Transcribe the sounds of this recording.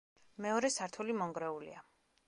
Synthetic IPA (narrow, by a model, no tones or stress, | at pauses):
mɛɔɾɛsaɾt̪ʰulimɔŋɡɾɛulḭa